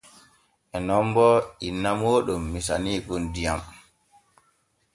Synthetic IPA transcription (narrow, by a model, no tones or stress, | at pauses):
ʔɛnɔmbɔʔinːamoːɗumːisa̰niːkundijam